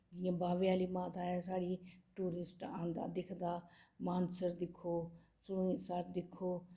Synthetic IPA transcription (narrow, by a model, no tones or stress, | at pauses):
d͡ʒiẽbaːʋijaːlimãːt̪ʰaːjasaːɽiʈuːɾɪsʈãːnd̪a̰ːd̪ɪkʰnd̪aːmaːnsəɾd̪ɪkʰoː | sʊɽũĩsaːɾd̪ɪkʰːoː